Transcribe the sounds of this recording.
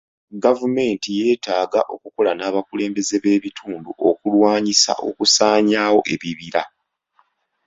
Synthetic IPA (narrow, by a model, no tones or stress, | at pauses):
ɡavume̞ːntije̞ːtaːɡaʔo̞kuko̞lanaːβakule̞ːmbe̞ze̞βe̞ːβitʰuːnduʔo̞kulwaːɲisa̰ʔo̞̰kusaːɲaːwo̞ʔe̞βiβiɾa